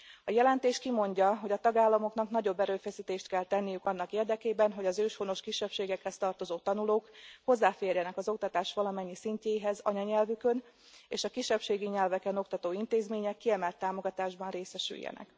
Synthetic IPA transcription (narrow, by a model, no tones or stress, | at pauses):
ɒjɛlɛnt̪eːʃkimo̞ɲɟɒɦo̞ɟɒt̪ɒɡaːlːɒmo̞knɒknɒɟo̞bːɛɾøːfɛsit̪eːʃt̪kɛlt̪ɛnːijykɒnːɒkeːrd̪ɛkeːbɛnɦo̞ɟɒzøːʃho̞no̞ʃkiʃːɛpʃeːɡɛkhɛst̪ɒrt̪o̞zoːt̪ɒnuloːkho̞zːaːfeːrjɛnɛkɒzo̞k̚t̪ɒt̪aːʃʋɒlɒmɛɲːisiɲceːiɦɛzɒ̰ɲɒɲɛlvykø̞n | ḛːʃɒkiʃɛpʃeːɡiɲɛlvɛkɛnokt̪ɒt̪oːint̪eːzmeːɲɛkːiɛmɛlt̪ːaːmo̞ɡɒt̪aːʒbɒnreːsɛʃy̰jːɛ̰nɛ̰k